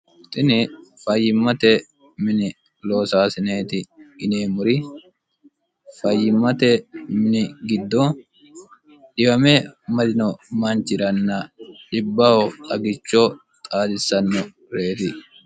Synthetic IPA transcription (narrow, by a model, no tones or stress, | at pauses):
t̪ʼɪnɪfɐjːɪmːɐt̪ɛ | mɪnɪ | lo̞ːsaːsɪne̞ːt̪ɪɪneːmʊɾɪ | fɐjːɪmːɐt̪ɛmɪnɪɡɪd̪ːoː | ᶑɪbɐmeːmɐd̪ɪnɔmɐnt͡ʃɪɾɐnːɐᶑɪbːɐhot̪ʼɐɡɪt͡ʃːoː | t̪ʼaːd̪ɪsːɐnːɔ | ɾe̞ːt̪ɪ